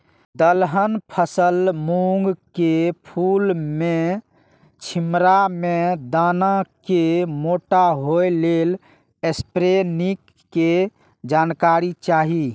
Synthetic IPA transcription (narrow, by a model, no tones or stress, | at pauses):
d̪əlɦənpʰəsəlmuŋɡkepʰulme | t͡ʃʰimɾamed̪anakemoʈaɦojlel | espɾenikː | e | d͡ʒankaɾit͡ʃaɦi